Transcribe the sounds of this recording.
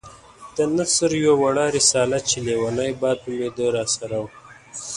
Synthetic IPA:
d̪̥ənasəɾjwawaɽɑɾɪsɑlat͡ʃelewanajbɑd̪umed̪əɾɑsaɾaw

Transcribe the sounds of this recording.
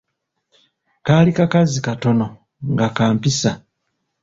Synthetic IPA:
kalikakazikato̞no̞ | ŋɡakaːmpisa

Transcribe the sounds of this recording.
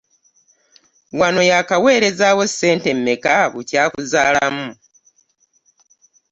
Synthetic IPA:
wano̞jakawe̞ːɾe̞zaːwo̞se̞ːnte̞mːe̞kaβucaːkuzaːlamu

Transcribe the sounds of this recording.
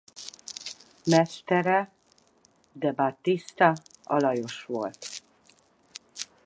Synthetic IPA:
mɛst̪ɛɾɛ | d̪ɛbat̪ist̪ɒɒ̰lɒjo̞ʃʋo̞lt̪

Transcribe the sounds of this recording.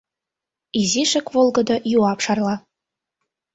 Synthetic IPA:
iziʃɘ̆kvolˠɡɤ̆d̪ɑjuɑpʂɑrlˠɑ

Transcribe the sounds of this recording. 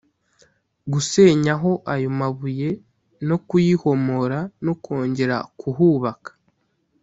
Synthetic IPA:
ɡuse̞ːɲaɦo̞ʔajo̞maβuje̞ | no̞kujiho̞mo̞ɾanoko̞ːɲɟe̞ɾa̰kʰuɦuːβakḁ

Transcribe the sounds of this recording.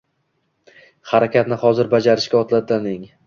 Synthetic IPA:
haɾakʲat̪nɪhɒzɪɾbad͡ʒaɾɪʃkʲaɒt̪lat̪anɪŋ

